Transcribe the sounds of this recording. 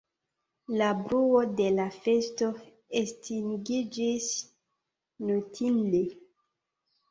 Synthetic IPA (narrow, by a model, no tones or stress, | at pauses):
labɾuodelafesto | estʰiŋɡid͡ʒis | notʰinle